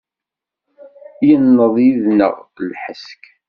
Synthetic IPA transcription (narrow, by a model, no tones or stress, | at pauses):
jənːəðˤjiðnə̰ʁlħəsk